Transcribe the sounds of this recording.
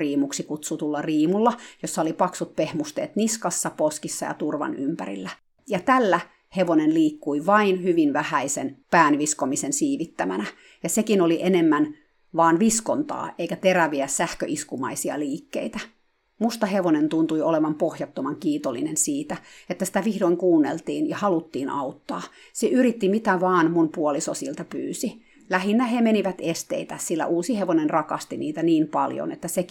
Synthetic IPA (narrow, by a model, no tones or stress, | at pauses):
riːmuksikut̪sut̪ulːɑriːmulːɑjosːɑolipɑksut̪̚pehmust̪ḛːt̪niskɑsːɑposkisːɑ̰jɑ̰t̪urʋɑ̰nympæ̰ɾḭlːæ | jɑt̪ælːæ | heʋonenliːkːuiʋɑinhyʋinʋæhæisenpæːnʋiskomisensiːʋit̪ːæmænæ | jɑsekinoliʔenemːæn | ʋɑːnʋiskont̪ɑ̰ːʔeikæt̪eɾæʋiæssæhkø̰ʔiskumɑ̰isiɑ̰liːkːḛit̪æ | must̪ɑheʋonent̪unt̪uioleʋɑmpohjɑt̪ːomɑŋkiːt̪olːinensiːt̪æet̪ːæsi̥t̪æʋihdoiŋkuːnːḛlt̪iːnjɑhɑlut̪ːiːnɑ̰ut̪ːɑː | seʔyɾit̪ːimit̪æʋɑːnmunpuolisosilt̪ɑpy̰ːsi | læhinːæhemeniʋæt̪est̪ḛit̪æsilːæ̰ʔuːsiheʋonenrɑkɑst̪iniːt̪æniːmpɑljo̰net̪ːæsek